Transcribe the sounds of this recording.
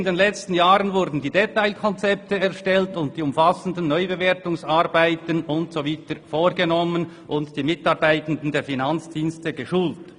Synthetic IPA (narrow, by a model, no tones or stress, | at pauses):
ɪndenlɛt͡stn̩jaːʁənvʊɾdn̩diːdetaɪlkʰɔnt͡sɛp̚təɛʁʃtɛltʊnt̚d̥iːʊmfasən̩dən̩ːɔʏbeveːtʊŋsaʁbaɪtənʊntsoviːtəfoːɾɡənɔmən | ʔʊntd̥iːmɪtɑʁbaɪtən̩dn̩deːɐfinant͡sd̥iːnstəɡəʃuːlt